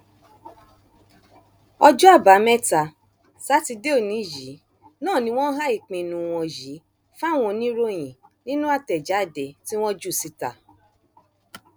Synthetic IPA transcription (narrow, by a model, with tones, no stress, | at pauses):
ɔ˧d͡ʒu˦a˦˨ba˨˦mɛ˦ta˧ | sa˨˦ti˧de˦o˦˨nĩ˨˦d͡ʒi˨˦ | nãː˦˨nĩ˧˦w̃ɔ̃˦n̩˦ɦa˦i˦˨k͡pĩ˨nũ˨w̃ɔ̃˧ji˨˦ | fa˦˨w̃ɔ̃˧nĩ˦ɾo˦j̃ĩ˨nĩ˦nũ˦a˦˨tɛ˨d͡ʒa˨˦˨de˨ti˦w̃ɔ̃˦d͡ʒu˦˨si˧˦ta˨